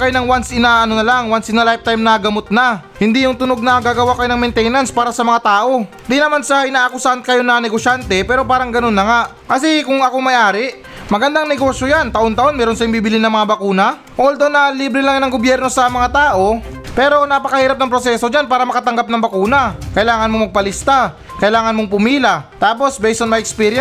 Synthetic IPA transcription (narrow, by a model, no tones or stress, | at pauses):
kɐjnɐŋwansɪnaʔɐno̞nɐlaŋwansɪnalajf̚t̪ajmnɐɡɐmot̪̚na | hɪnd̪ijʊŋt̪ʊno̞ɡ̚nɐɡaːɡɐwakɐjonɐŋmɛnt̪ɛjnɐnspaːɾɐsɐmɐŋat̪aːʔo̞ | d̪inɐmansɐʔɪnaːʔɐkʊsant̪kɐjo̞nɐnɛɡo̞ʃjant̪ɛpɛːɾo̞paːɾɐŋɡɐno̞nːɐŋaʔ | kɐsikʊŋɐko̞mɐjʔaːɾɪʔ | mɐɡɐnd̪aŋnɛɡo̞sjojant̪ɐʔo̞nt̪ɐʔo̞nmɛːɾonsɐɪŋbibɪlɪnɐŋmɐŋabɐkuːnɐ | ʔold̪onɐliːbɾɪlaŋjɐnɐŋɡobjɛɾno̞sɐmɐŋat̪aːʔo̞ | pɛːɾo̞napɐkɐhiːɾɐp̚nɐŋpɾo̞sɛːso̞d͡ʒanpaːɾɐmɐkɐt̪ɐŋɡap̚nɐŋbɐkuːnɐkɐʔɪlaːŋɐnmomɐɡ̚pɐlɪst̪a | kɐʔɪlaːŋɐnmoŋpʊmiːlɐt̪aːp̬o̞sbɛjsʔ̪onmɐɛkspiːɾj